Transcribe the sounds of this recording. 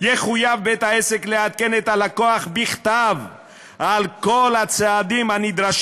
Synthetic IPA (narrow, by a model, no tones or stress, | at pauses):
jeχujavbet̪haesekleat̪̚kenet̪alakoaχbiχt̪av | alkolhat͡sead̪imhanid̪ʁaʃ